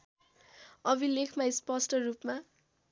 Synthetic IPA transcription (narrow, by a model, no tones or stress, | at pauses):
ʌbilekʰmaispʌsʈʌrupma